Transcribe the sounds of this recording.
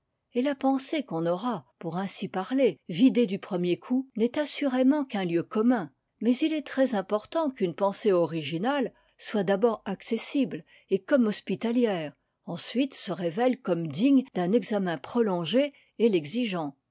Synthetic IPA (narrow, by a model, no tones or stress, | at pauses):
elapɑ̃sekɔ̃nɔʁapuʁɛ̃sipaʁlevid̪ed̪ypχəmjekʰunɛt̪asyʁemɑ̃kɛ̃ljøkɔmɛ̃ | mɛzilɛt̪χɛzɛ̃pɔʁt̪ɑ̃kynpɑ̃seɔʁiʒinal | swad̪abɔʁaksesibl | ekɔmɔspit̪aljɛːʁ | ɑ̃sɥit̪səʁevɛlkɔmd̪iɲd̪ɛ̃nɛɡzamɛ̃pχɔlɔ̃ʒe | elɛɡziʒɑ̃